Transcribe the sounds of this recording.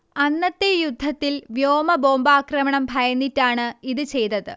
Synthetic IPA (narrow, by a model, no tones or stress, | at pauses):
ɐnːɐt̪ːejud̪ʱːɐt̪ːilʋjoːmɐbo̞ːmbaːkrɐmɐɳɐmbʱɐjɐnːitːaːɳɨiðɨt͡ɕe̞jt̪ɐðɨ̰